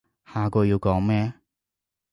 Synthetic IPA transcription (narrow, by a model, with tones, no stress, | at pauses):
haː˨˧kɔː˧jiː˧wkɔː˨˥ŋmɛː˥